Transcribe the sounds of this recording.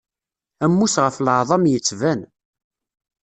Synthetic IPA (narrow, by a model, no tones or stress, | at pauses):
æmːusʁəfləʕðˤɑmjət͡sːvæn